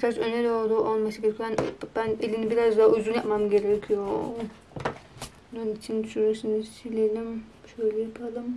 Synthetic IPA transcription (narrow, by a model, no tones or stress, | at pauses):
bit͡ʃʰat͡ʃøneɾolˠd̪uʔolˠmasɯɡʲeɾɛkʰʲænbænelʲinibiɾazd̪aɦyzynjapmamɟʲe̞ɾɛkʲʰijo | nanit͡ʃʰind̪yʃyɾmeʃinisylʲelimʃøjlʲɛjapʰalˠɯm